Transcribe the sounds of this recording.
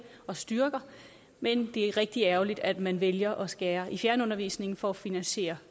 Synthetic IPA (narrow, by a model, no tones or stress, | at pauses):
ɒ̽sd̥yɐɡ̥ɐ | mend̥e̝æʁɛɡ̥̚d̥iæɐʊlid̥æd̥mænʋeljɐʔɒ̽sɡ̥ɛːɐʔifjæɐnəɔ̽nɐʋḭːsne̝ŋn̩fɒæfinænɕe̝̰ːɐ